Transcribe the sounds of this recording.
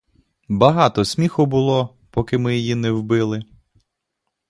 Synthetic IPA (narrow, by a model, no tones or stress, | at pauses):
bɐɦɑt̪ɔsʲmʲixʊbʊlˠɔ | pɔkɪmɪjijinɛwbɪlˠɪ